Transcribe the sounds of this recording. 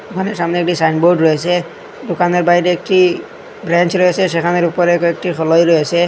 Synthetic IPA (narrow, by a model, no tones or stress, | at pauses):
kʰɔnɛsamniɛk̚tisajnbɔɹdɹojas̬ɛ | dʊkanɔɹbaɦiɾɛːk̚ti | bɹant͡ʃɹojasɛsɛkʰanɔɹupɔɹɛkɔɛk̚ʈixʰɔlɔjɹojasɛ